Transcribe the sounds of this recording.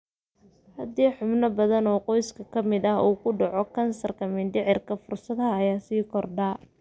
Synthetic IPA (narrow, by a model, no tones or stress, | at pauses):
hɐd̪iːħʊbnɐbɐðɐnɔːqɔjskʰɐkʰɐmɪðɐɦuːkʰʊɖɑʕɔkʰɐnsɐrkʰɐmɪnɖ̪ɪʕɪrkʰɐfʊrsɐðɐːjaːsiːkʰɔrɖɐː